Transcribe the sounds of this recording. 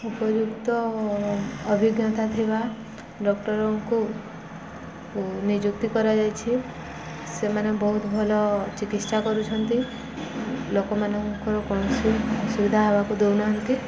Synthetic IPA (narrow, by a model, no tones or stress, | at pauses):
upɔd͡ʒukt̪ɔː | bʱiɡjɔt̪at̪ʰiba | ɖɔkʈɔɾɔŋku | nid͡ʒuk̚t̪ikɔɾad͡ʒajt͡ʃʰi | semanebɔɦut̪ɔbʱɔlɔt͡ʃikit̪sakɔɾut͡ʃʰɔnt̪i | lokɔmanɔŋkɔɾɔkɔɽ̃ɔsusubid̪ʱaɦebakud̪ewnaɦɔnt̪i